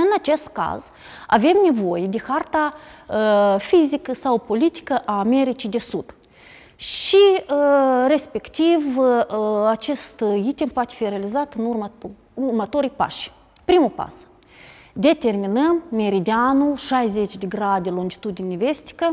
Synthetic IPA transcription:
ɨnat͡ʃe̞st̪ka̰z | a̰ve̞mne̞vo̞jed̪exart̪aəfizikəsawpo̞lit̪i̥kəʔaːme̞ɾit͡ʃid̪e̞sud̪̥ | ʃiəre̞spe̞kt̪ivəat͡ʃe̞st̪it̪ʲempoat̪ʲe̥fiɾealizat̪ɨnurm | urmat̪o̞ɾijpa̰ʃ | pɾimupa̰s | d̪e̞t̪e̞rminəmːe̞ɾid̪ʲeanulʃajze̞t͡ʃʲd̪eɡɾad̪elonʲd͡ʒit̪ud̪ʲinʲeve̞st̪i̥kə

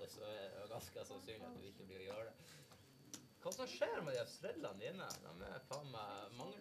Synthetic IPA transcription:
əsɔɛd̪ɛ̰jʊɡɑnskəsɑnsynɑ̰t̪d̪ʉɪçːəbliːɾɔjoːɖɛ | kʰɑːsɔmʂeːɾmɛd̪ɪɑsɾɛd̪lɑndɪnːə̰d̪ɑ̰mɛ̰pʰɑməmɑŋː

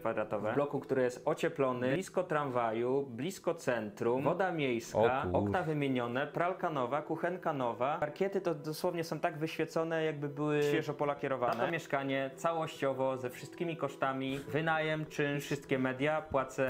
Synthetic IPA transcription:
kfad̪ɾat̪ɔvɛlɔkukt̪uɾɪjɛst̪ɔt͡ɕɛplɔnɘiskɔt̪ɾanvajublʲiskɔt̪sɛnt̪ɾumvɔd̪amʲjejskaɔknnavɘmʲjeɲɔnɛpɾalkanɔvakuxɛnkanɔvaaɾkʲɛt̪ɘt̪ɔd̪ɔswɔvɲɛsɔ̃w̃t̪aɡvɘɕfʲjɛt̪sɔnɛjaɡ̚bɘbɘwɘɕfjɛʐɔpɔlakʲɛɾɔvaanɛɔmʲjɛʂkaɲɛt̪sawɔɕt͡ɕɔvɔzɛfʂɨst̪kʲimʲikɔʂt̪amʲivɘnajɛmt͡ʂɘfʂɘst̪̚kʲɛmɛd̪ʲjapwat̪sɛ

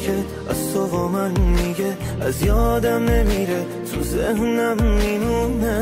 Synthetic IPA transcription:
e | æ̰st̪ovɒːmænmiɟe | æzjɒːd̪æmnemiːɾe | t̪ʰuzehnæmːiːnune

